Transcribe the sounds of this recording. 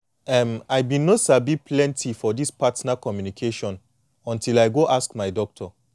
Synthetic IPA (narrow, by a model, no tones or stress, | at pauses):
ɛmajbĩnːosabipʰlɛ̃ntʰifɔdispatnakɔmjunikʰeʃɔ̃n | ɔ̃ntilaɪɡoʔaskmaɪdɔk̚tʰɔ